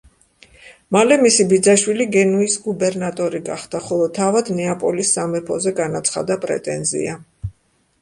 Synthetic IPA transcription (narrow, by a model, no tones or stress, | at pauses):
malɛmisibid̪zaʃwiliɡɛnuisɡubɛɾnat̪ʼɔɾiɡa̰χd̪aχɔlˠɔt̪ʰavad̪nɛapʼɔlisːamɛpʰɔzɛɡanat̪sʰχa̰d̪apʼɾɛ̰t̪ʼɛnzḭa